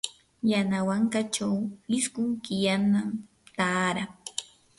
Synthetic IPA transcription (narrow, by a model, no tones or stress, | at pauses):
janawaŋkat͡ʃawlɪskʊŋkɪjanam | t̪aːɾa